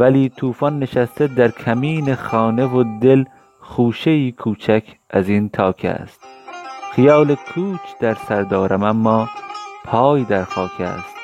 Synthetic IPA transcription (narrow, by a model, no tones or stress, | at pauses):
væliːt̪ʰuːfɒnːe̞ʃæst̪ed̪æɾkʲʰæmiːneχɒːne̞vod̪el | χuːʃejiːkʰuːt͡ʃʰækʰʔæziːnt̪ʰɒːkʰæ̰st̪xijɒːlekʰuːt͡ʃʰd̪̥æɾsæɾd̪ɒːɾʔæmæmːɒːpʰɒːjd̪æɾxɒːkʰæ̰ːst̪